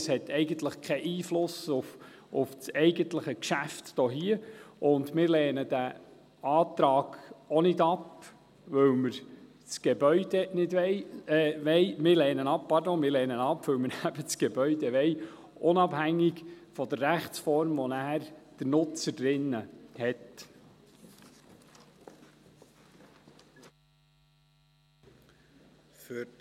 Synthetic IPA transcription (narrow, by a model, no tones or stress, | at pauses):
shɛtɛɪɡənt̪ləχkʰɛʔiːflʊsʊf | ʊft͡sɛɪɡənt̪ləχəkʃæftd̥oːɦiəʊndmɪɾlɛːnəd̥æ | ɑːt̪ɾɑːɡ̥ɔnɪdɑp | ʋɵwməɾ | t͡sɡ̥ebœʏdɛnɪdʋɛɪʋɛɪmɪɾlɛːnənɑp̚pɑɾd̪oːŋmɪːɾlɛːnənɑpːʋɵwməɾæb̥ət͡sɡ̥ɛbœʏd̪ɛʋɛɪ | ʔʊnɑbhæŋːɪɡfɔd̪əɾːæχt͡sfɔɾmʋɔnæːɾd̪̥əɾnʊt͡səd̥ɾɪnːəhɛt | fy